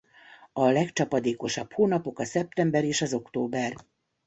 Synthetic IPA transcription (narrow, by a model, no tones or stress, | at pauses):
ɒlɛkt͡ʃɒpɒd̪eːko̞ʃɒphoːnɒpo̞kɒsɛp̚t̪ɛmbɛɾeːʃɒzo̞kt̪oːbɛr